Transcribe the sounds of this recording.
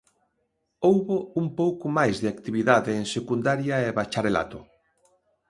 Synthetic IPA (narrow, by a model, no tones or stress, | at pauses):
owβoumpowkʊmajzðeakt̪iβiðaðeːŋsekund̪aɾjaeβat͡ʃaɾela̰t̪ʊ